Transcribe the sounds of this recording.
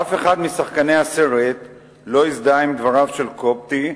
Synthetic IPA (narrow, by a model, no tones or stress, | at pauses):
afe̞χad̪misaχkaneaseʁet̪ | lo̞izd̪aimd̪vaʁavʃe̞lko̞p̚t̪i